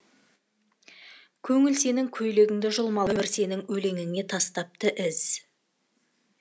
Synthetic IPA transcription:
kʲʰɵŋɪlse̞nɪŋkʲʰɵjle̞ɡʲɪŋd̪ɪʒʊlˠmɑlˠəbɪɾse̞nɪŋɵle̞ŋɪŋe̞t̪ʰɑst̪ɑp̚t̪əʔɪz̥

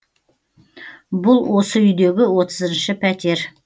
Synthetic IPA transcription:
bʊlˠwo̞səʏjd̪e̞ɡʲɪwo̞t̪əzənʃəpʰæt̪e̞ɾ

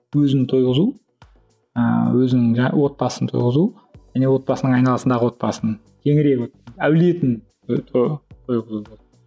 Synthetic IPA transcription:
wɵzɪnt̪ʰojʁəzu | ə̰wɵzɪnɪŋʒæwo̞t̪̚bɑsənət̪ʰo̰jʁəzu | ʒ̥æne̞wo̞t̪̚bɑsənəɴɑjnɑlˠɑsənd̪ɑʁəwo̞t̪̚bɑsənəɴ | kʲʰe̞ŋɪɾe̞kæwle̞t̪ɪnʰ | t̪ʰojʁəzubo

